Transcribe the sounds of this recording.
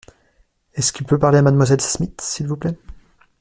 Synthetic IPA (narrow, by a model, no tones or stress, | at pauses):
ɛskilpøpaʁleamad̪mwazɛlsmit̪silvuplɛ